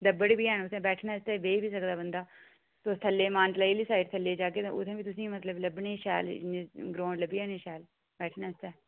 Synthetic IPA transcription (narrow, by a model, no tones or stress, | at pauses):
d̪əbəɽbiːɛːnʊsẽːbɛːʈʰnaːst̪ɛːbeːbiːsəkd̪aːbənd̪aː | t̪oːst̪ʰəlːeːmaːnt̪laːiːliːsaːiɾt̪ʰəlːeːd͡ʒaːkeːt̪ːʊ̰t̪ʰẽːbiːt̪ʊsĩːmət̪ləbləbneːʃɛ̰ːlɡɾõːɳləbiːɛːneːʃɛːl | bɛːʈʰnãːst̪ɛː